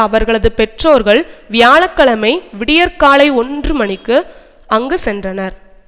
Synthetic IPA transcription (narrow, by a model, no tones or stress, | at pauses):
ɐʋɐɾɣɐɭɐðɯpɛʈroːɾɣɐɭʋɪjaːɭɐkːɐɭɐmɐɪʋɪɽɪjɐɾkaːɭɐɪɔndrɯmɐnɪkːɯ | ɐŋɡɯsɛndrɐnɐɾ